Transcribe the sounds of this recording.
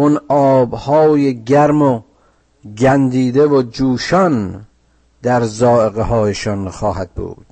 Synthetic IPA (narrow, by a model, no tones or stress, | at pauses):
unɒːbhɒːjeɟæɾmo | ɡænd̪iːd̪evod͡ʒuːʃɒn | d̪æɾzɒːeɣeɦɒːjeʃɒnxɒːhæd̪̥̚bṵːd̪̥